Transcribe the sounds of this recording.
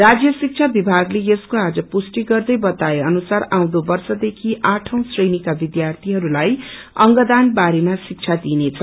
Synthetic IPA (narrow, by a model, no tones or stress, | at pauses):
rad͡zjʌsik̚t͡sʰabibʱaɡlejeskoad͡zʌpusʈiɡʌrd̪ʌjbʌt̪aeʌnusaraw̃d̪obʌrsʌd̪ekʰiʔaʈʰʌ̃w̃srejnikabid̪jart̪ʰiɦʌɾulaj | ʌŋɡʌd̪anbaɾemasik̚t͡sʰad̪inet͡sʰʌ